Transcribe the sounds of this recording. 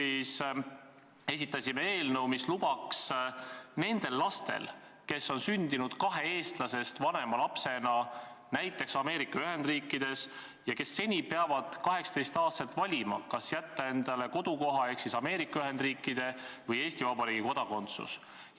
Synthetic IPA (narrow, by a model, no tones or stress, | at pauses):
is | e̞s̬ʲit̪ːˑɑsʲime̞e̞ːlnewmislub̥ɑks | ne̞nd̪̥e̞lːɑst̪e̞̰l | ke̞sːo̞nsynʲd̪̥inud̪̥kɑɦe̞e̞ːst̪lɑse̞st̪vɑne̞mɑlɑpse̞nɑnæjt̪ːˑe̞ksɑme̞ːɾikːˑɑyɦe̞nd̪riːkːˑid̪̥e̞s | jɑke̞sːe̞nʲipeɑvɑd̪̥kɑɦe̞ksɑ̥t̪e̞jst̪ɑːst̪et̪ːvɑlʲimɑ̰kɑsjæt̪ːɑe̞nd̪̥ɑle̞ko̞d̪̥uko̞ɦɑe̞hksisɑme̞ːɾikːˑɑyɦe̞nd̪riːkːˑid̪̥e̞vɤje̞ːsʲt̪ivɑbɑɾiːɡiko̞d̪ɑko̞nt̪sṵs